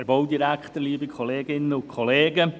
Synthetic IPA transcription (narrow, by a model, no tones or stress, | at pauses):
æɾbowdiɾækχt̪əliːbikʰχɔleːɡɪnːəʊkʰχɔleːɡə